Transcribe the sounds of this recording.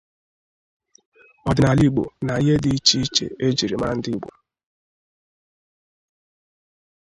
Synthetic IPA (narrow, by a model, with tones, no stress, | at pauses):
ɔ˨dɪ˨na˨li˦ɡ͡bo̰˨na˨i˦ɦe˦di˦i˦t͡ʃi˦i˦t͡ʃḛ˨e˦d͡ʒi˨ɾi˨ma˦a̰˦n̩˦dɪ˦ɡ͡bo̰˨